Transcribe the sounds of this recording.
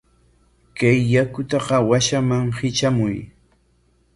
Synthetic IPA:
kajːakʊt̪ɑqɑwaʃamaŋhɪt͡ʃamʊj

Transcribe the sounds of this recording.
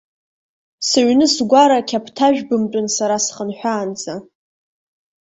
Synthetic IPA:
sɨɥʷnɨsɡʷaɾakʲʰapʰtʰaʒᶣbɨmt͡pʼʊnsaɾasχənħʷᶣaːnd͡zʼa

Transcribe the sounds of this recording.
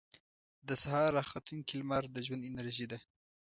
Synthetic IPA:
d̪əsahɑɾɑxat̪uŋkilmɑɾd̪əʒwand̪ɪnaɾʒid̪a

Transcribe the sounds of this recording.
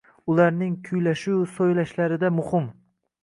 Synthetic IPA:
ʊlaɾnɪŋkʲʰʊjlaʃuwsojlaʃlaɾɪd̪amʊhɪm

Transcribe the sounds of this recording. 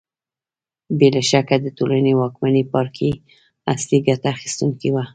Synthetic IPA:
belaʃakad̪ət̪olanewɑkmanepɑɾkʰi | asliɡat̪aːxi̥st̪uŋkiwa

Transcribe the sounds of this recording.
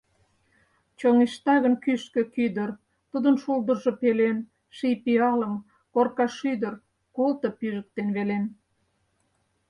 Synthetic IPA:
t͡ɕoŋiʃt̪ɑɣənkyʃkø̆kyd̪ər | t̪ud̪ənʃuld̪ərʒopelen | ʃijpiɑləm | korkɑʃyd̪ər | kolˠt̪opyʒək̚t̪enβelen

